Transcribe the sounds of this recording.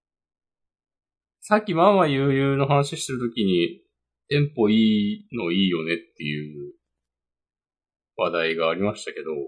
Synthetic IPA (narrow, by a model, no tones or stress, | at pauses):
sakʲːimamajɯ̟ːjɯːno̞ɦanaɕiɕi̥t̪eɾɯ̟t̪o̞kʲiɲ̟i | t̪ẽ̞mpo̞iːno̞iːjo̞ne̞t̪ːe̞jɯ | βad̪aiɡaːɾʲimaɕi̥t̪ake̞d̪o̞